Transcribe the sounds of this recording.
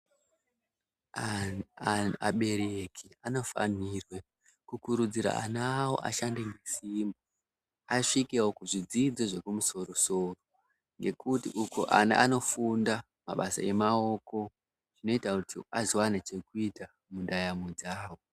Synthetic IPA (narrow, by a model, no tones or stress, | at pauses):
aɓe̞ɾekʰiano̞fa̰nirwe | kukuɾud͡ziɾa̰a̰naːwo̞̰ʔa̰ʃandeŋɡesimbo | aʂikewo̞kuʐid͡zid͡zoʐe̞kumuso̞ro̞so̞ro | ŋɡe̞kutiʔukoʔana̰ʔano̞funda | ma̰ɓasa̰e̞mao̞ko̞ | ʐino̞itakutʰiazowanat͡ʃe̞kuita | mundajamud͡zaːwo̞